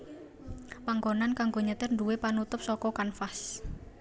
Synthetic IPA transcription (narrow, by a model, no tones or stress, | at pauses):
paŋɡonankaŋɡoɲət̪ɪrnduwepanut̪ʊp̚sɔkɔkanfas